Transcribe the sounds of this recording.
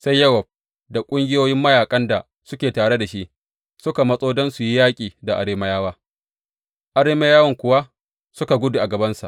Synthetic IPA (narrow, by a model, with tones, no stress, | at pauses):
sa˦jːɐ˦wɐ˨b̚ | da˨kʷʼʊ˦ŋɡʲɪ˦joː˦jɪ˦mːɐ˦jaː˨kʼɐ˦nda˨ | sʊ˦kʲeː˨taː˨ɽe˦da˨ʃi˦ʔ | sʊ˦ka˨mɐ˦sʼoː˦dɔ˦nsu˨ji˦jaː˦kʲʼiː˨da˨ʔa̰˨ɾeː˦mɐ˦jaː˦waː˦ | ʔa˨˦ɾeː˦ma˦jaː˦wɐ˦ŋkʷʊ˨wa˦ | sʊ˦ka˨ɡʷʊ˦du˨ʔa˨ɡɐ˨bɐ˦nsa̰˨ʔ